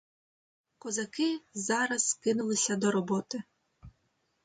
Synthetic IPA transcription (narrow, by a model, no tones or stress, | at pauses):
kɔzɐkɪzɑɾɐz̥skɪnʊlˠɪsʲɐd̪ɔɾɔbɔt̪ɪ